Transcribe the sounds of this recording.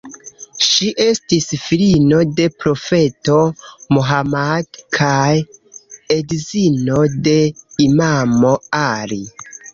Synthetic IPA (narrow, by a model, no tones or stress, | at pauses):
ʃiʔe̞stisfilino̞de̞pɾo̞fe̞to̞moɦamadkʰaj | edzino̞de̞imamo̞aɾi